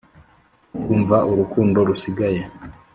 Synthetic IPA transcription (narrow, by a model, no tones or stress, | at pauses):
kuːɱvaʔuɾukuːndo̞ɾusiɡaje